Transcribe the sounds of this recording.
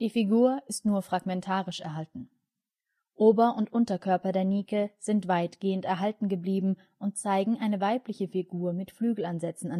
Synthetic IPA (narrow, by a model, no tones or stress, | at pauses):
d̥iːfiɡuːɐʔɪstnuːɐfʁ̥aɡmɛntʰaːʁɪʃɛɐɦaltn̩ | ʔoːbɐʊntʔʊntɐkʰœɐpɐdeːɐniːkəz̥ɪntv̥aɪtɡ̥eːəntɛɐɦaltn̩ɡəbliːbm̩ | ʔʊnt̚t͡saɪɡŋ̩ʔaɪnəvaɪplɪçəfiɡuːɐmɪtflyːɡl̩anzɛt͡sn̩an